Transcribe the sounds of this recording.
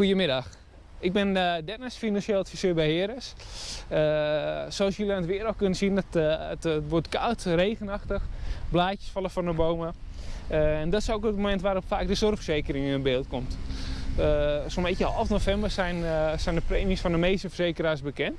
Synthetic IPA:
xujəmɪdɑx | ɪɡ̚bɪnədɛnasfinanʃeːlˠətfisøːbɛjhɪəɾəs | əsoɔsjølianətʋɪəɾəl̚ˠkønəsinɔtəttʋɔtkawtreːɣənaxtəxblaːcjə̥sfɔlˠəfɔnəboːwmə | ɛndɔtɪsowkətmomɛntʋaːɾopfaːk̚dəsɔrfsejkərɪŋɪnəbɪːlˠtkomt | sombetəəhɔlˠfdənofɛmbərsɛjnsɛjndəpreːmiəsfɔndəmejstəfərseːkəraːrsbəkɛnt

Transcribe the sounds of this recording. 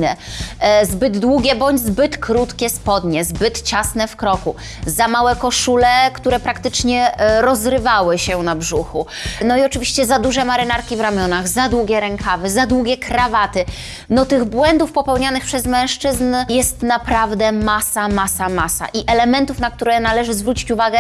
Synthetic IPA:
nɛ | zbɘd̪ːwuɡʲɛbɔɲd͡ʑzbɘt̪kɾut̪kʲɛspɔd̪ɲɛzbɘt̪t͡ɕasnɛfkɾɔku | zamawɛkɔʂulɛkt̪uɾɛpɾakt̪ɘt͡ʂɲɛɾɔzɾɘvawɘɕɛnabʐuxunɔiɔt͡ʂɘvʲiɕt͡ɕɛzad̪uʐɛmaɾɘnaɾkʲivɾamʲjɔnaɣzad̪wuɡʲɛɾɛŋkʰavɛzad̪wuɡʲɛkɾavat̪ɘ | nɔt̪ɘɣbwɛnd̪ufpɔpɛwɲanɘxpʂɛzmɛ̃w̃ʂt͡ʂɘznjɛst̪napɾavd̪ɛmasamasamasa̰ʔiʔɛlɛmɛnt̪ufnak̚t̪uɾɛnalɛʐɘzvɾut͡ɕi̥t͡ɕuvaɡɛ

